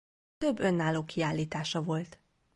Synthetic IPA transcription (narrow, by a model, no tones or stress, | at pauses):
t̪ø̞bːø̞nːaːloːkiaːlːiːt̪aːʃɒvo̞lt̪